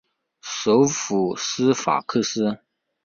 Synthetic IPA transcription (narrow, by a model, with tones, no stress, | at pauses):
ʂo˧˥ʊfu˨˩sɹ̩˥fa̰˨˩kʰɤ˥˧sɹ̩˥